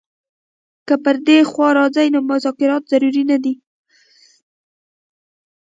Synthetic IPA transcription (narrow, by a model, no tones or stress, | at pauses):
kəpəɾd̪exwɑɾɑzajnomʊzɑkɪɾɑt̪z̥aɾuɾinad̪i